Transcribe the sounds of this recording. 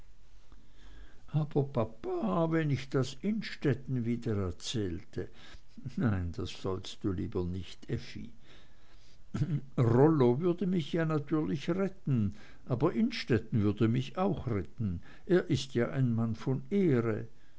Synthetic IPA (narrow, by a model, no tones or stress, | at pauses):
ʔaːb̥ɐpʰapaːvɛnɪçd̥asɪnʃtɛtn̩viːdəɛɐt͡sɛːltʰə | naɪnd̥asz̥ɔlst̚d̥uːliːbɐnɪçtʔɛfḭ | ʁɔlovʏɐdəmɪçjaːnatʰyːɐlɪçʁɛtn̩ | ʔaːbɐʔɪnʃtɛtn̩vʏɐdəmɪçaʊxʁɛtn̩ | ʔeːɐʔɪstjaːʔaɪnmanfɔneːʁə